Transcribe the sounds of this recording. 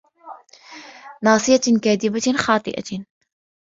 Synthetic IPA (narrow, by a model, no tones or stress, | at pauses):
nɑːsˤɨjakaːd̪ɪbaxɑːt̪ˤɨ̰ʔa̰